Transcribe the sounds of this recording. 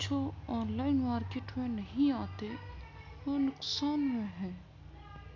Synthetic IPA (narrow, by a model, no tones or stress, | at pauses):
t͡ʃʰoɔːnlaːɪnmaːɾkeːʈmẽnɐɦĩaːt̪e | oːnʊqsaːnɦmẽɦɛ̃ː